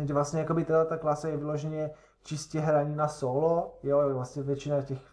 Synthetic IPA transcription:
dɛvlasɲɛjakobɪt̪adlat̪aklaːsajɛvɪloʒɛɲɛ | t͡ʃɪscɛɦɾaɲinasolojojvlasɲɛvjɛt͡ʃɪnacɛx

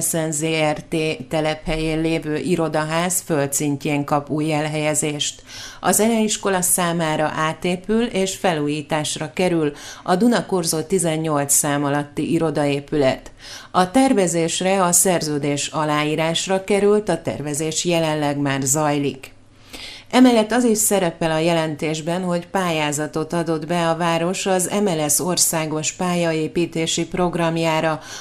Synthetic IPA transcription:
sɛnzeːɛrt̪eːt̪ɛlɛphɛjeːnleːvøːʔiɾo̞d̪ɒɦaːzfølt̪siɲceːŋkɒpuːjɛlɦɛjɛzeːʃt̪ɒzɛlɛjiʃko̞lɒsaːmaːɾɒ̰ʔaːt̪eːpyleːʃfɛluːjiːt̪aːʃrɒkɛɾylɒd̪unɒkorzoːt̪izɛɲːo̞lt̪sːaːmɒlɒt̪ːiʔiɾo̞d̪ɒeːpylɛt̪ | ɒt̪ɛrvɛzeːʃrɛɒsɛrzøːd̪eːʃɒlaːiːɾaːʃrɒkɛɾylt̪ɒt̪ɛ̰rvɛzeːʃjɛlɛnlːɛɡmaːrzɒjlik | ɛmɛlːɛt̪ːɒziʃsɛɾɛpɛlɒjɛlɛnt̪eːʒbɛnɦo̞cpaːjaːzɒt̪o̞t̪ɒd̪o̞d̪bɛɒvaːɾo̞ʃɒzɛ̰mɛlɛso̞rsaːɡo̞ʃpaːjɒeːpiːt̪eːʃipro̞ɡrɒmjaːɾɒ

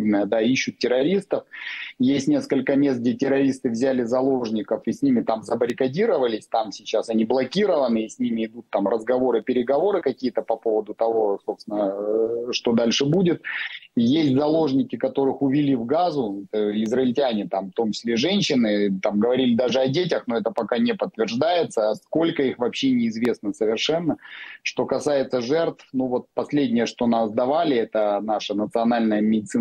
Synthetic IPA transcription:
nəd̪aiɕːʊt̪̚ːʲɪɾɐɾʲist̪əfjesʲtʲnʲe̞skəlʲkəmʲe̞st̪ɡdʲetʲɪɾɐɾʲist̪ɨvzʲælʲɪzɐlˠo̞ʐnʲɪkəfisʲnʲimʲɪt̪amzəbəɾʲɪkɐdʲiɾəvəlʲɪsʲt̪amsʲɪt͡ɕasɐnʲiblˠɐkʲiɾəvənɨːsʲnʲimʲɪɪd̪ut̪ːamrəzɡɐvo̞ɾɨpʲɪɾʲɪɡɐvo̞ɾɨkɐkʲijət̪əpɐpo̞vəd̪ʊt̪ɐvo̞so̞pst̪vɪnəʂt̪o̞d̪alʲʂɨbudʲɪt̪̚jesʲtʲzɐlˠo̞ʐnʲɪkʲɪkɐt̪o̞ɾɨxʊvʲɪlʲivɡazʊɛt̪əɪzrəɪlʲtʲænʲɪt̪amft̪omt͡ɕɪ̥sʲlʲeʐɛnʲɕːɪnɨt̪amɡəvɐɾʲilʲɪd̪aʐɨɐdʲetʲəxno̞ɛt̪əpɐkanʲɪpət̪ːvʲɪrʐd̪ajɪt̪səːsko̞lʲkəixvɐpɕːenʲɪːzvʲe̞snəsəvʲɪrʂɛnːəʂt̪o̞kɐsajɪt̪səʐɛrt̪fnuvo̞t̪̚pɐsʲlʲedʲnʲɪjəʂt̪o̞nasd̪ɐvalʲɪɛt̪ənaʂənət̪sɨɐnalʲnəjəmʲɪdʲɪt̪sɨ

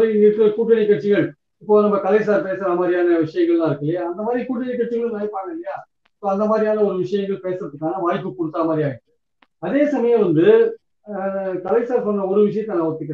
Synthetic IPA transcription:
ŋɡɐkːɯɐkuːʈːɐnɪkːɐʈt͡ʃːɪɣɐɭ | ɪpːoːnɐmːɐkɐlɐɪs̬aːɾpeːsɐɾɐmaːd̪ɾɪjaːnɐʋɪʂɐjɐŋɡɐɭlãːɪɾɯkːɐlɪjaːɐnd̪ɐmaːðɾikuːʈːɐnɪkːɐʈt͡ʃːɪɣɐɭɯ̃naːjpːaːɳɐlːɐjaː | ɪpːoːɐnd̪ɐmaːd̪ɾɪjaːnɐɔɾɯʋɪʂɐjɐŋɡɐɭpeːsɯɾɐðɯkːaːnɐʋaːɻpːɯkɔɽɯt̪ːaːmaːd̪ɾiaːjɪʈːɯ̥ | ɐðeːsɐmɐjɐ̃mʋɐnd̪ɯ | kɐlɐɪsaːɾsɔnːɐɔɾɯʋɪʂɐjɐt̪ːɛːnãʋɔt̪ːɯkːɪɽẽ

